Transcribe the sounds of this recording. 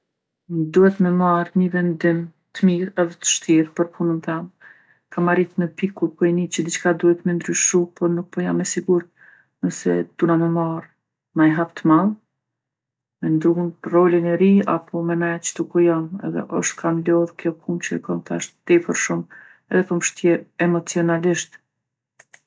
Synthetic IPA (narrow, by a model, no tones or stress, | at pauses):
d̪uhɛt̪mɛmaɾɲəvɛnd̪im | t̪əmiɾɛðɛt̪ə̥ʃt̪iɾpəɾpʰunənθɛm | kʰamaɾit̪mɛpikupɔinit͡ɕəd̪it͡ʃkad̪uhɛt̪mɛnd̪ɾyʃupɔɾnuk̚pɔjamːɛsiɡuɾt̪̚ | nəsɛ̰d̪̥unamɛmaɾ | najɦapt̪əmalˠ | mɛnd̪ɾunrɔlənɛɾia̰pʰɔmɛnat͡ʃə̥t̪ukɔjamɛ̰ðɛ̰ʔɔʃt̪kʰamlɔðkjɔkʰumt͡ɕəkɔnt̪a̰ʃt̪d̪ipəɾʃum | ɛðɛpəmʃt̪jɛɛmɔt͡siɔnaliʃt̪